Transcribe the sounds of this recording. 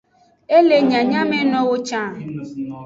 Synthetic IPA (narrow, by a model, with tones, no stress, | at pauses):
e˦le˨ɲã˨ɲã˦mɛ̃˦nɔ̃˦wo˦t͡ʃã˦˨